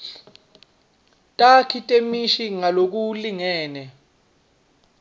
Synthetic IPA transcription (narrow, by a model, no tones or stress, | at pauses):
tʼakʰitʼemiʃiŋalok̬uliŋɛːnɛ